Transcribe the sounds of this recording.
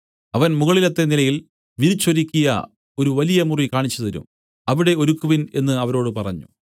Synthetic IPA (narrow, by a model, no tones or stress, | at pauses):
ɐʋɐnmuɣɐɭilɐt̪ːe̞nilɐjil | ʋiɾit͡ɕːoɾikʲːijɐ̰ | o̞ɾuʋɐlijɐmurikaːɳit͡ɕːɐðɐɾṵm | ɐʋiɽe̞o̞ɾukːuʋine̞nːɨɐʋɐɾo̞ːɽɨpɐrɐɲːṵ